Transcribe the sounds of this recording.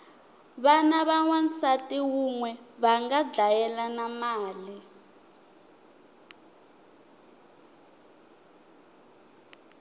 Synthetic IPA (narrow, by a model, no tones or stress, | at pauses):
βanaβaŋwansatʼiwuŋwɛβaŋɡad͡ɮajɛlanamaːli